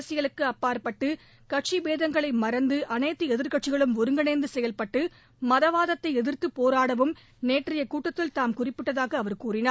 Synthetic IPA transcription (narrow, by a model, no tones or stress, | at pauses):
ɐsɪɣɐɭɯkːɯɐpːaːɾpɐʈːɯ | kɐʈ̚t͡ʃibeːðɐŋɡɐɭɐɪmɐɾɐnd̪ɯʔɐnɐɪt̪ːɯɛðɪɾkɐʈ̚t͡ʃːɪɣɐɭɯmʊɾɯŋɡɐɳɐɪnd̪ɯsɛjɐlpɐʈːɯ | mɐðɐʋaːðɐt̪ːɐɪɛðɪrt̪ːɯpːoːɾaːɽɐʋɯm | neːʈrɪjɐkuːʈːɐt̪ːɪlt̪aːmkʊrɪpːɪʈːɐðaːɣɐːʋɐɾkuːrɪnaː